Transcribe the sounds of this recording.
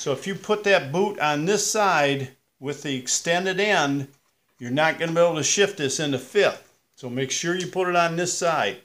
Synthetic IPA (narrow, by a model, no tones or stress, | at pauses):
soʊəfjɨpʰʊt̪̚ðɨt̚b̥uɾn̩ðɪsaɪd̚ | wɪðiɨkstɛ̃ndɨɾɛ̃nd | jə˞nət̚ɡ̥ʌnəbieɪbl̩ˠtʰɨʃɪft̪̚ðɪsɨ̃nðɨfɪθ | soʊmeɪkʃʊɹjɨpʰʊɾɨɾn̩ðɪsaɪd̥̚